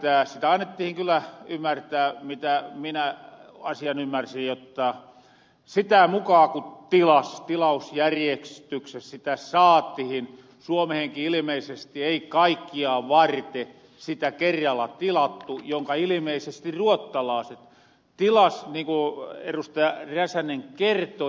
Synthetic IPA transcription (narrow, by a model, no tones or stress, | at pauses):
t̪æsit̪æɑnːet̪ːihiŋkylːæymːært̪æːmit̪æːminæɑsiɑnymːærsijjot̪ːɑ | sit̪æmukɑːkut̪ilɑst̪ilɑusjærjekst̪yksessit̪æsɑːt̪ːihin | suomeheŋkiilimeisest̪ieikɑikːiɑːʋɑrt̪e | sit̪ækerːɑlːɑt̪ilɑt̪ːujoŋkɑilimeisest̪iruot̪ːɑlɑˑːset̪ | t̪ilɑsniːŋkuḛrust̪ɑjɑræsæneŋkert̪o